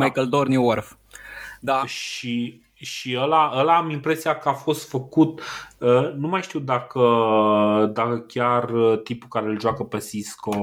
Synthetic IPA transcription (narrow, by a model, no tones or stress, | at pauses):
majkəld̪orniworf | d̪aʃi | ʃiəlaʔəlaamimpɾe̞siakəafo̞st̪fəkut̪ənumajʃt̪iwd̪akə | d̪akəkʲarət̪impukaɾe̞ɨlʒoakəpe̞sisko